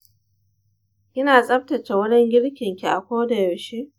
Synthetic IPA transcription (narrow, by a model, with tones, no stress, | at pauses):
kʲɪ˦naː˨sʼɐ˦p̚tɐ˨t͡ʃe˨wɐ˦d͡ʒɛ˦ŋɡʲɪ˦ɽkʲɪ˨ŋkʲi˨ʔa˨kʷoː˦da˨jɐ˨wʃeː˦ʔ